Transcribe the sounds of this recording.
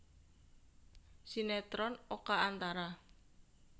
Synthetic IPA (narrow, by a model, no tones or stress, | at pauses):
sinɛt̪ɾɔnokaant̪aɾa